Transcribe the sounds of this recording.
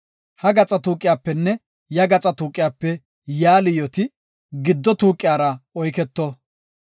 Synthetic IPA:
hɐɡɐt͡sʼɐt̪uːkʼːɪjaːpːɛnːɛ | jɐɡɐt͡sʼɐt̪uːkʼːɪjaːpːɛ | jaːlɪjɔt̪ɪ | ɡɪd̪ːɔt̪uːkʼːɪjaːɾɐɔjkɛt̪ːɔ

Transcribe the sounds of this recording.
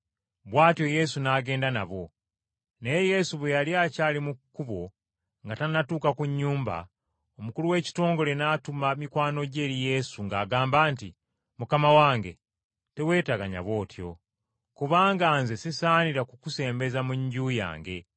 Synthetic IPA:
βwaːtjo̞je̞sunaːɡe̞ːndana̰βo̞ | nejeje̞suβwejaliaːcaːlimukːuβo̞ | ŋɡatanatuːkakuɲːuːmba̰ | omukuluwe̞ːci̥to̞ːŋɡo̞le̞naːtumamikwaːno̞ɟe̞ːlije̞suŋɡaːɡaːmbaːnti | mukamawaːŋɡe̞̰ | te̞we̞ːtaɡaɲa̰βo̞ːtʰjo̞̰ | kuβaːŋɡaːnzesisaːniɾakukuse̞ːmbe̞zamuɲɟuja̰ːŋɡe̞̰

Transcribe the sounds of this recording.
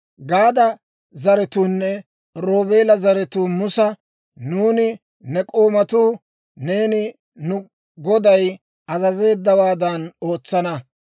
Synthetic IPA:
ɡaːd̪ɐ | zɐɾɛt̪uːnːɛ | ɾo̞ːbe̞ːlɐzɐɾɛt̪uːmʊsɐ | nuːnɪ | nɛkʼoːmɐt̪uː | ne̞ːnɪ | nʊ | ɡɔd̪ɐj | ɐzɐze̞ːd̪ːɐwaːd̪ɐno̞ːt͡sːɐnɐ

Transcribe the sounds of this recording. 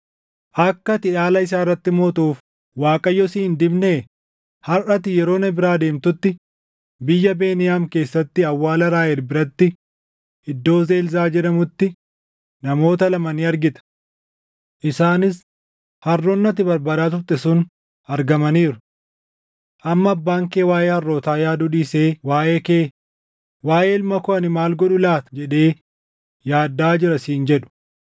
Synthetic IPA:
ʔɐkːɐt̪ɪᶑaːlɐɪs̬aːrːɐt̪ːɪmoːt̪uːf | waːkʼɐjːɔsiːnd̪ɪbneː | hɐrʔɐt̪ɪjɛɾo̞ːnɛbɪɾaːd̪e̞ːmt̪ʊt̪ːɪ | bɪjːɐbe̞ːnɪjaːmke̞ːsːɐt̪ːɪɐwːaːlɐɾaːjɛɾbɪɾɐt̪ːɪ | ɪd̪ːo̞ːze̞ːlzaːd͡ʒɛᶑɐmʊt̪ːɪ | nɐmo̞ːt̪ɐlɐmɐniːɐɾɡɪt̪ɐ̥ | ʔɪsaːnɪs | hɐrːɔnːɐt̪̬ɪbɐɾbaːd̪aːt̪ʊɾt̪ɛsʊn | ɐɾɡɐmɐniːɾʊ̥ | ʔɐmːɐːbːaːŋkeːwaːjeːhɐrːoːt̪aːjaːd̪ʊᶑiːseːwaːʔe̞ːkeː | waːʔeːɪlmɐkʊʔɐnɪmaːlɡɔᶑʊlaːt̪ɐ̥d͡ʒɛᶑe̞ː | jaːd̪ːaːd͡ʒɪɾɐsiːnd͡ʒɛᶑʊ̥

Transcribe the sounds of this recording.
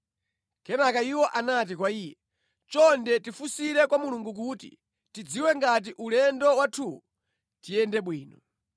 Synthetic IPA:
kɛnakaiwɔʔanat̬ikwaiːjɛ | t͡ʃɔndɛtifusiɾɛkwamuluŋɡuk̬utḭ | tid͡ziwɛŋɡat̬iʔulɛndɔwatʰuːu | tijɛndɛɓwiːnɔ

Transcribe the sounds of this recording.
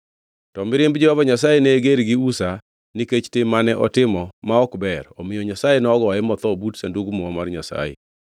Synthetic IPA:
tɔmɪɾɪmbd͡ʒɛɔvaɲasajeneɡeɾɡɪusa | niket͡ʃtemanɛʔɔtɪmɔmaɔkbɛɾɔmɪjɔɲasajenɔɡɔɛmɔt̪ɔbutsanduɡmɔɔmarɲasa̰jḛ

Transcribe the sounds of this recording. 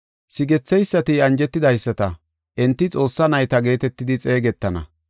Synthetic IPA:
sɪɡɛt͡sːɛjsːɐt̪ɪɐnd͡ʒɛt̪ːɪd̪ɐjsːɐt̪ɐ | ʔɛnt̪ːɪt͡sʼo̞ːsːɐnɐjt̪ɐɡe̞ːt̪ɛt̪ːɪd̪ɪt͡sʼe̞ːɡɛt̪ːɐnɐ̰

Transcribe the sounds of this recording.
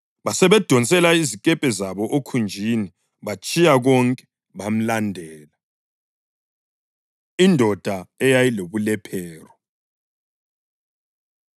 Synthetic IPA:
βasɛβɛd̥ʱɔnt͡sʼɛlaizikʼɛpʼɛzaβɔʔokʰund͡ʒʱini | βat͡ʃʼijaɣɔŋkʼɛ̥ | βam̩landʱɛːla | indʱɔd̥ʱaɛjajiloβulɛpʰɛːrɔ

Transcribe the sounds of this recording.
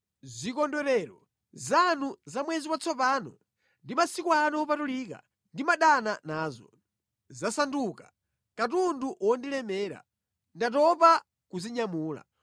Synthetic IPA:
zikɔndwɛɾɛɾɔ | zanuzamwɛziwat͡sʰɔpaːnɔ | ndimasikwanɔːp̬atuliːka̰ | ndimaɗananaːzɔ̰ | zasanduka | katunduwɔndilɛmɛːɾa̰ | ndatɔpa | kuziɲamuːla̰

